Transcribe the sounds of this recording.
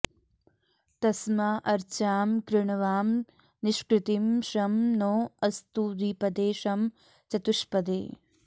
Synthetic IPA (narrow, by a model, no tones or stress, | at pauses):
t̪ɐsmaʔɐɾt͡ʃaːmkɾɪɳɐʋaːm | niʃkɾɪt̪imʃɐmnoːɐst̪uːd̪iːpɐd̪eːʃɐm | t͡ʃɐt̪uʃpɐd̪ḛː